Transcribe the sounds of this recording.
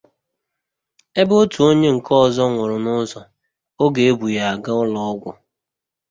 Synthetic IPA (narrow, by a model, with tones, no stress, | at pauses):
e˦bo˦tu˨o˦ɲe˦ŋ̩˨kʰɔ˦˨zɔ˦ŋʷʊ˨ɾʊ˨nʊ˦zɔ˨ | o˦ɡe˨e˦bu˨ja˨a˨ɡa˦ɔ˦lɔ˦ɔ˦ɡʷʊ̰˨